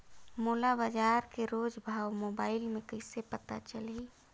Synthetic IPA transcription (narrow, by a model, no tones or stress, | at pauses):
moːlabad͡ʒaːɾkeɾod͡ʒbʱaːwmoːbaːɪlmẽkəɪsepət̪at͡ʃəli